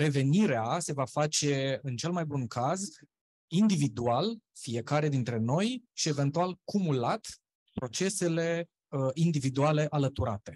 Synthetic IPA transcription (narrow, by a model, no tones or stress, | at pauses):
ɾe̞ve̞niɾease̞vafat͡ʃe̞ɨnt͡ʃe̞lmajbunkʰaz | ind̪ivid̪ualfie̞kaɾe̞d̪int̪ɾe̞no̞jʃie̞ve̞nt̪ualkumulat̪ | pɾo̞t͡ʃe̞se̞le̞ | ind̪ivid̪uale̞ʔalət̪uɾa̰t̪e̞